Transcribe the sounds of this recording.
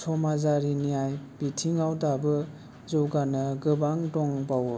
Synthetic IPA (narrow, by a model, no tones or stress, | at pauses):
sʰɔmazaɾinijajbitʰiŋawdabɯ | zɔwɡanɯɡɯbaŋdɔŋbaw